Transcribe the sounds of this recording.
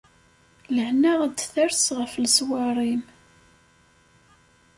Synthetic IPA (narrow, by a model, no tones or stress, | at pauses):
ləhnaʁəd̪θæɾsʁəflswɑɾˤim